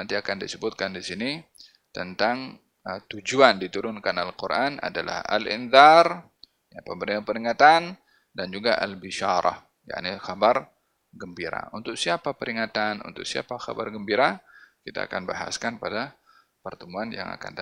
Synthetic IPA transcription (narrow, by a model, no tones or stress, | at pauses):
nant̪iakandisəbʊt̪̚kandisini | t̪ənt̪aŋ | ət̪ud͡ʒuandit̪uɾʊnkanalkurʔana̰dala̰ha̰lḭnðɑr | japambəɾipəɾiŋat̪an | dand͡ʒuɡaʔa̰lbiʃaɾɑ̰h | ja̰ʔnixabar | ɡəmbiɾa̰unt̪ʊk̚siapapəɾiŋat̪anṵnt̪ʊk̚sia̰paxa̰ba̰rɡəmbiɾakit̪a̰ːkanbaɦa̰skanpada | pərt̪əmuanja̰ŋa̰ka̰nda